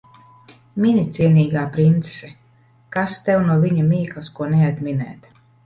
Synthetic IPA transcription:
minit̪siɛniːɡaːpɾint̪se̥sɛ | kast̪ɛwnuɔviɲamiːklˠaskuɔnɛjad̪minɛ̰ːt̪

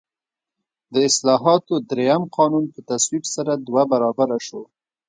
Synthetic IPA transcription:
d̪əɪslɑɦɑt̪od̪ɾejamqʰɑnunpət̪aswibsaɾad̪wabaɾɑbaɾaʃo

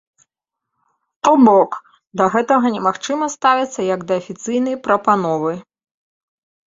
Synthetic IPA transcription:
t̪ɔbɔk | d̪ɐɣɛt̪ɐɣɐnʲɛmaxt͡ʂɨmɐst̪avʲit̪sːɐjɐɡd̪ɐːfʲit̪sɨjnɐjpɾɐpanɔvɨ

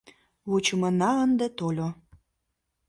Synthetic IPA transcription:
βut͡ɕəmə̆nɑənd̪ə̆t̪olʲo

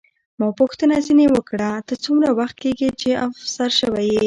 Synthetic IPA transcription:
mɑpʊxt̪ənazinewəkɽat̪ət͡sumɾawaxt̪̚keɡit͡ʃeafsaɾʃəwaje

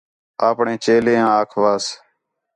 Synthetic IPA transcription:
aːpɳẽːt͡ʃeːleːãːaːkʰʋaːs

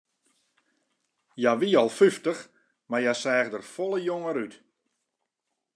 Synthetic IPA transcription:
jaʋiɔlˠfyftəx | marjasɛːɣdərfɔlˠəjoŋəɾyt

